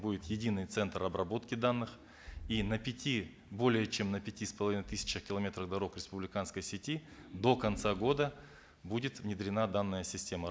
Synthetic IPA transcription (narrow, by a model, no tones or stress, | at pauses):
budʲɪt̪jɪdʲinɨjt̪sɛnt̪rɐbrɐbo̞t̪kʲɪd̪anːɨx | inəpʲɪtʲi | bo̞lʲɪjət͡ɕe̞mnəpʲɪtʲispəlˠɐvinəjt̪ɨsʲɪ̥t͡ɕəxkʲɪlˠɐmʲe̞t̪ɾəɣd̪ɐɾo̞kɾʲɪspʊblʲɪkanskəjsʲɪtʲi | d̪o̞kɐnt̪saɡo̞d̪ə | budʲɪt̪vnʲɪd̪ɾʲɪnad̪anːəjəsʲɪsʲtʲe̞mə